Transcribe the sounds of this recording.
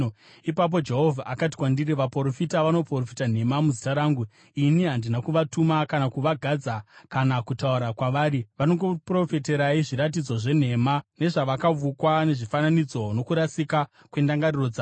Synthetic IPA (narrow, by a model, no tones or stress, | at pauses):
ipap̬o̞d͡ʒe̞ɦo̞vʱaʔakati̥kwandiɾiʋaporofitaʋano̞porofitan̤e̞mamuzitaɾaːŋɡu | iniɦandinakuʋatumakanakuʋaɡʱad͡zakanakutauɾakwaʋaːɾiʋano̞ŋɡopro̞fete̞ɾaiʐiɾat̬id͡zo̞ʐe̞n̤e̞mane̞ʐaʋakaʋukwane̞ʐifananid͡zo̞no̞kuɾasika | kwe̞ndaŋɡarirod͡za